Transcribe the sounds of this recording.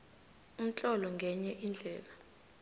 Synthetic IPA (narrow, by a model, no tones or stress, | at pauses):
um̩t͡ɬʼɔlɔŋɡʱɛɲɛʔind͡ɮʱɛːla